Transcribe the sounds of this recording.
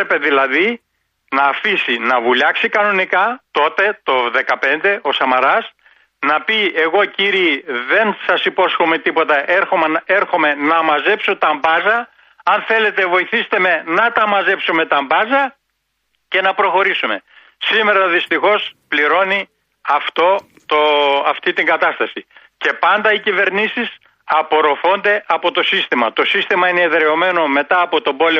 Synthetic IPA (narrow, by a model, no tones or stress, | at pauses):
epe̞ðilɐði | nɐːfisinɐvuʎɐksikɐno̞nikɐt̪o̞t̪e̞t̪o̞ðe̞kɐpe̞nd̪e̞ʔo̞sɐmɐɾɐs | nɐpieɣo̞ciɾiːðe̞nsɐsipo̞sxomet̪ipo̞t̪ɐʔeɾxomɐe̞ɾxo̞me̞nɐmɐze̞psot̪ɐmbɐzɐ | ɐnθe̞le̞t̪e̞vo̞iθist̪eme̞nɐt̪ɐmɐze̞psume̞t̪ɐmbɐzɐ | ce̞nɐpɾo̞xo̞ɾisume̞ | sime̞ɾɐðist̪ixo̞spliɾo̞ni | ɐft̪o̞ | t̪oɐft̪it̪iŋɡɐt̪ɐst̪ɐsi | ce̞pɐnd̪ɐicive̞ɾnisis | ɐpo̞ɾo̞fo̞nd̪e̞ʔɐpo̞t̪o̞sist̪imɐt̪o̞sist̪imɐineːðɾe̞o̞me̞no̞me̞t̪ɐːpo̞t̪o̞bo̞le